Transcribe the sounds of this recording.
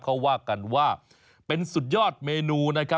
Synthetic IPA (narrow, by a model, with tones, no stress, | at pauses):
kʰa˦˥˩wːaː˥˩ka˧nwaː˥˩ | pe˧nsu˨˩t̪̚jɔː˥˩t̪̚meː˧nuː˧na˦˥kʰa˦˥